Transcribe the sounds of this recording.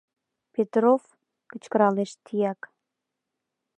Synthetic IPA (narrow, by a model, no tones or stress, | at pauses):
pet̪ɾof | kə̆t͡ɕkəɾɑleʃt̪ʰijæk